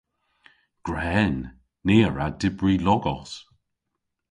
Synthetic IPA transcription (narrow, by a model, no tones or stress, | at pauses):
ɡ̥ɹɛːnː | eːəɹadɪbɹiːlɔɡɔs